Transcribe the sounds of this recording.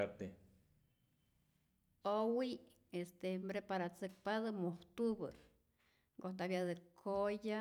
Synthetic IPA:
at̪e | owi | est̪embɾepaɾat͡sɨk̚paðɨmoht̪ubɨ̰ɾ | ɡond̪abjad̪ɨkʰoja

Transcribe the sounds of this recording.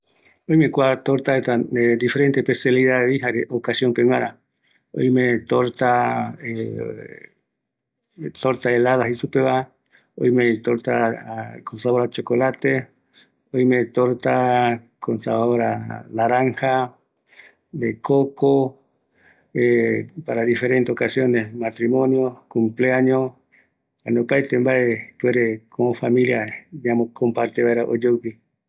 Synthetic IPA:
ojmekwat̪oɾt̪aet̪aed̪ifeɾent̪ehpesjaliðaðeiɦaɾeʔokasjompenaɾa | o̰jmet̪oɾt̪ae | t̪oɾt̪aelaðaɦisupeβa | o̰jmet̪oɾt̪akonsaβoɾat͡ʃokolat̪e | ojmet̪oɾt̪a | kʰonsaβaβoɾalaɾaŋha | d̪ekoko | epaɾaðifeɾent̪eokasjonesmat̪ɾimõnjokumpleaɲõ | anepaet̪embaepweɾekʰomofamiljajamokompaɾt̪eβaeɾaʔod͡ʒewpi

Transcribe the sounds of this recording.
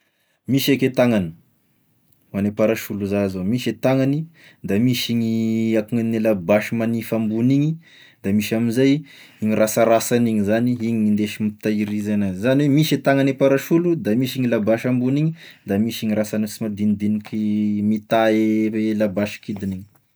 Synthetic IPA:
miʃeket̪aŋani̥ | manepaɾaʃuluzazomiʃet̪aŋani | d̪amiʃiɲiakuŋanelabaʃimanifambuniɲi | d̪̥amiʃaminzaj | iɲirasaɾasaniŋizaniiɲiɲind̪eʃimit̪aiɾizanazaniwemiʃet̪aŋanepaɾaʃulud̪amiʃiŋilabaʃambuniɲid̪amiʃiɲiɾasanit͡simad̪ind̪inikimit̪aelabaʃi̥kid̪iniɲi

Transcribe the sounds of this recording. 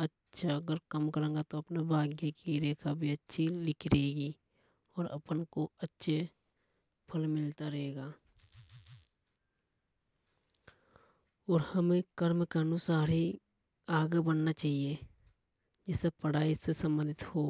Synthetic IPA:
ətːʃʰaəɡəɾkəmkəɾẽːŋɡat̪oɐpnebʱaːɡjekiɾeːkʰabʱiətːʃʰilɪkʰɾeːɡi | ɔːɾə̰pənkoətːʃʰe | pʰəlmɪlt̪aɾəɦeːɡaː | ɔːɾhəmẽkəɾmkaənusaːɾi | aːɡebənnat͡ʃaːɦie | d͡ʒɛːsepəɽ̤aːisesə̃mbə̃nd̪ɪt̪hoː

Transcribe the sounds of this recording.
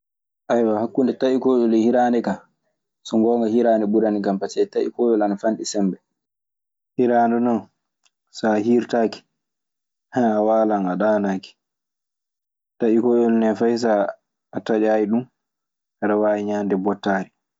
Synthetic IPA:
ʔajwahakːundɛtaʔikɔːɗɔlɛhiɾanɛka | sɔŋɡɔːŋɡahiɾaːnɛɓuɾanikampatɛtaʔḭkɔːjɔlanafanɗisɛmbɛ | hiɾaːndɔnɔn | saɦiɾtaːki̥ | haawaːlanaɗaːnaːki̥ | taʔikɔːjɔlnɛfajs̬a | atad͡ʒaːjiɗum | haɾawaːjiɲaːndɛbɔtːaːɾi

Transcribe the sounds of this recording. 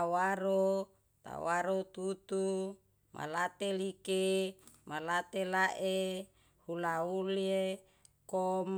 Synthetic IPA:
waɾo | t̪a̰waɾot̪ut̪u | mʔa̰lat̪elikemalat̪elaʔe | hulaulie | kom

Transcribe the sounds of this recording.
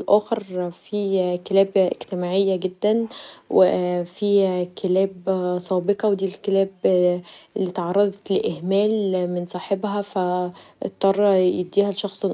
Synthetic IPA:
lʔæːxɑɾˤfikelæːbḛɡt̪emaːʕejːæɡed̪ːænwḛfikelæːbsˤɑːbeqɑwd̪iːlkelæːb | ʔlːiːt̪ʕɑrˤːɑd̪ˤɑt̪leʔɪhmæːlmɪnsˤɑːħebhæfæ̰t̪ˤːɑrˤːɑjed̪ːiːhælʃɑxsˤel

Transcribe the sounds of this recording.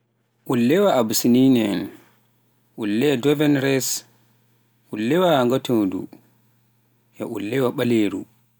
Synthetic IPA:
ʔulːɛwaabsininɛn | ʔulːɛdɔvɛnɾɛs | ʔulːɛwaaŋɡatodṵ | ja̰ʔulːɛwaɓaleːɾṵ

